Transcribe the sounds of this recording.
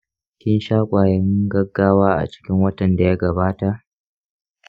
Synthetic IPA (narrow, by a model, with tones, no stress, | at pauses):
kʲɪ˦nʃaː˦kʷʼaː˨jɐ˦ŋɡɐ˦ɡːaː˦waː˦ʔa̰˨t͡ʃɪ̥˦kʲɪ˦ŋwɐ˦tɐ˨nda˨ja˦ɡɐ˨baː˦ta˨ʔ